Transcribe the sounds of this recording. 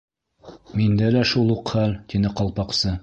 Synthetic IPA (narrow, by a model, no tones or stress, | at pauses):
mind̪ælæʃulˠuqχælt̪inɘqɒlˠpɑqsɤ